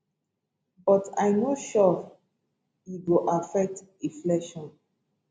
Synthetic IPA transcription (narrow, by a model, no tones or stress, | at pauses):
bɔtajnoʃɔ | iɡuʔafɛk̚teflɛʃɔ̃n